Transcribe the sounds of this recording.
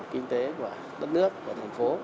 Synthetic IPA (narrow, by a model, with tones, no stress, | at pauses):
kï˧ŋ̟t̪e˨˦ku˧˩ə | ɗə˦˥t̚nɨ˦˥əkːu˧˩ət̪ʰa˨˩ŋ̟fo˨˦